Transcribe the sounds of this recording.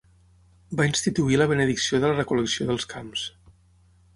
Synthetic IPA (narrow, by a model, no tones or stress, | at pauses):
bainst̪it̪uiləβənəðiksioðələrəkuləksioðəlˠskʰams